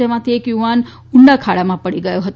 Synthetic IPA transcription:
əmãt̪ʰiekjuʋan | uɳɖakʰaɭamãpəɽiɡəjoɦət̪

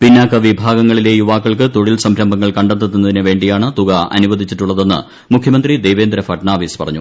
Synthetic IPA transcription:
pinːaːkːɐʋibʱaːɡɐŋːɐɭile̞juʋaːkːɐɭkɨt̪o̞ɻilsɐmʰɾɐmbɐŋːɐɭkɐɳɖɐt̪ːut̪ːunːɐðinɨʋe̞ːɳɖijaːɳɨt̪uɣɐɐ̰nuʋɐd̪ʱit͡ɕːiʈːuɭːɐðe̞nːɨ̰ | mukʰjɐmɐnd̪rid̪e̞jʋe̞ːnd̪ɾɐfɐʈɳaːʋiːspɐ̰rɐ̰ɲːu

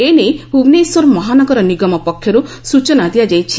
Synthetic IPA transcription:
eneubneiswɔɾɔmɔɦanɔɡɔɾɔniɡɔmɔpɔkʰjɔɾu | sut͡ʃɔnad̪ijad͡ʒajt͡ʃʰi

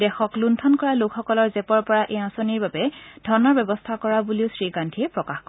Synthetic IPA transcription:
dɛxɔkluntʰɔnkɔɹalokxɔkɔlɔɹzɛpɔɹpɔɹaʔejãsoniɹbabɛd̥ʱɔnɔɹbjɛbɔst̪ʰakɔɹabuliʊsɹikantʰiɛpɹɔkaxkɔ

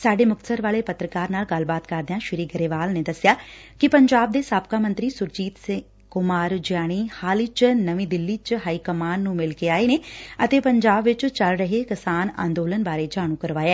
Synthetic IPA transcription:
saːɖeːmʊk̚t̪səɾʋaːleːpət̪ɾəkaːɾnaːlɡəlbaːt̪kəɾd̪eãːʃɪɾiːɡəɾeːʋaːlneːd̪əsɪjaː | kɪpəɲd͡ʒaːb̚d̪eːsaːp̚kaːmə̃nt̪ɾiːsʊɾt͡ʃiːt̪sɪ̃ | kʊmaːɾd͡ʒɪjaːɽ̃iːhaːlit͡ʃnəʋĩːd̪ɪlːiːt͡ʃɦaːiːkəmaːnːũːmɪlkeːaːeːneːət̪eːpəɲd͡ʒaːbʋɪt͡ʃt͡ʃəlɾəɦekɪsaːnã̰ːnd̪oːlənbaːɾeːd͡ʒaːɽ̃ũːkəɾʋaːjɛː

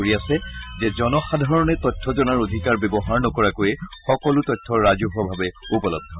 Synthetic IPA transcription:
oɹiasɛzɛzɔnɔxadʱaɹɔnɛtɔtʰːɔzɔnaɹodʱikaɹbebɔɦaɹnɔkɔɹakojɛxɔkɔlʊtɔtʰːɔɹazuɦabʱabɛupɔlɔ̰ɡ̚d̪ʱɔ

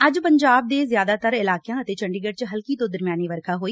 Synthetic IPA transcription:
əd͡ʒpəɲd͡ʒaːb̚d̪eːzjaːd̪aːt̪əɾɪlaːkɪjãːət̪eːt͡ʃəɳɖiːɡəɖ̚t͡ʃɦəlkiːt̪oːd̪əɾmjaːniːʋəɾkʰaːɦoːiː

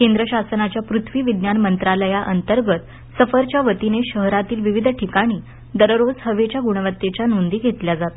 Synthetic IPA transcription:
kend̪ɾəɕasənat͡ɕjapɾut̪ʰʋiːʋid̪njanmənt̪ɾaləjaʔənt̪əɾɡət̪ | səfəɾt͡ɕjaʋət̪ineɕəɦɾat̪iːlʋiʋid̪ʱʈʰikaɽ̃iː | d̪əɾəɾod͡zɦəʋet͡ɕjaɡuɽ̃əʋət̪ːet͡ɕjanund̪iːɡʱet̪ljad͡zat̪

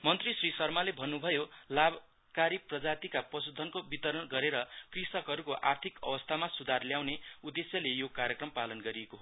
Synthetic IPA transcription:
mʌnt̪risrisʌrmalebʱʌnːubʱʌjolab | kaɾiprʌd͡zat̪ikapʌsud̪ʱʌnkobit̪ʌɾʌnɡʌɾeɾʌkrisʌkɦʌɾukoʔart̪ʰikʌ̰bʌst̪ʰamasud̪ʱarljawneud̪ːesjʌlejokaɾjʌkrʌmpalʌnɡʌɾiekoɦo

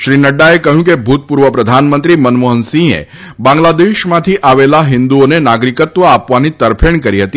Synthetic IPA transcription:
ʃɾinəɖːaekəɦjũk̬ebʱut̪̚puɾʋəpɾəd̪ʱanmənt̪ɾimənmoɦənsĩḛ | bãŋɡlad̪eʃmãt̪ʰiʔaʋelaɦɪnd̪uonenaɡɾikət̪ʋəapʋanit̪əɾpʰeɳkəɾiɦət̪i

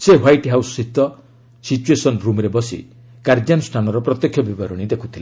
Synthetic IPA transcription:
seɦwajʈɦawssit̪ɔ | sit͡ʃuesɔnɾumɾebɔsḭ | kaɾd͡ʒanusʈʰanɔɾɔpɾɔt̪jɔkʰːjɔbibaɾɔɽ̃id̪ekʰut̪ʰile

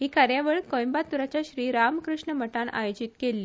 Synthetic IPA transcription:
ɦiːkaɾjaʋəɭkojmbat̪uɾat͡ɕjaɕɾiːɾamkɾuʂɳəməʈanʔa̰jod͡ʑit̪kelːiː

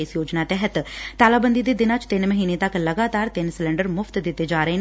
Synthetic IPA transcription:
esjoːd͡ʒnaːt̪ɛːɦət̪t̪aːlaːbənd̪id̪eːd̪ɪnãːt͡ʃt̪ɪnməɦiːneːt̪əkləɡaːt̪aːɾt̪ɪnsɪlɛ̃ɳɖəɾmʊfʰt̪d̪ɪt̪ːeːd͡ʒaːɾəɦeːn

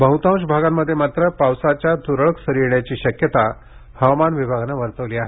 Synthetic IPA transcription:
bəɦut̪ãw̃ɕbʱaɡamːəd̪ʱːjemat̪ɾəpawsat͡ɕjad̪uɾəɭəksəɾiɾɳjat͡ɕiːɕəkjət̪a | həʋamanʋibʱaɡnaʋəɾt̪əʋliːaɦe

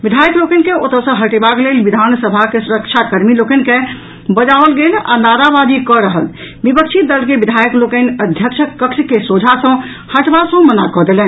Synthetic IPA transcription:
ʋid̪ʱajəklokənkeot̪əsə̃ɦəʈebaklelʋid̪ʱansəbʱakesuɾəkt͡ʃʰakəɾmilokənke | bəd͡ʒaʋəlɡela̰naɾabad̪ikɔɾəɦəl | bipək̚t͡ʃʰit̪̚d̪əlkebid̪ʱajəklokənəd̪ʱjəkt͡ʃʰəkːəkʃkesod͡ʒʱasə̃ | həʈbasə̃mənakɔd̪elɛn

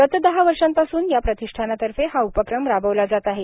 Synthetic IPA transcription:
t̪ət̪d̪əɦaʋəɾʂãnt̪asuːnjapɾət̪iʂʈʰanat̪əɾfeɦaupəkɾəmɾabəʋlad͡zat̪aɦe

